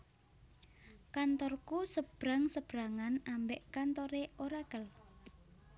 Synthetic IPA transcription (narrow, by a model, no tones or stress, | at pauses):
kant̪ɔrkusəb̥ɾaŋsəb̥ɾaŋanambɛʔkant̪ɔɾeʔoɾaɡ̥əl